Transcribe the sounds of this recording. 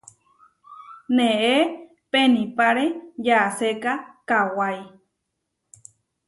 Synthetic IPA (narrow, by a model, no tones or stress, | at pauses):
neʔe | penĩpaɾejasekakawaj